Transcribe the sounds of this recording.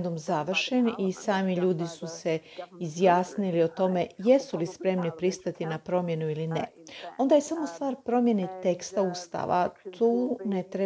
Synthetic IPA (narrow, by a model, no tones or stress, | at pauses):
d̪umzaʋr̩ʃenisaːmiʎuːd̪isuseizjaːsnilio̞t̪o̞me̞jesulispɾe̞mnipɾist̪at̪inapɾo̞mje̞nuilineo̞nd̪ajesamo̞st̪ʋaːɾpɾo̞mje̞net̪e̞kst̪aust̪a̰ʋa̰t̪ʰuːnet̪ɾe